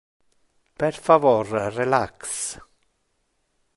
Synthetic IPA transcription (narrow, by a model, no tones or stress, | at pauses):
pɛɾfavɔɾrɛlaks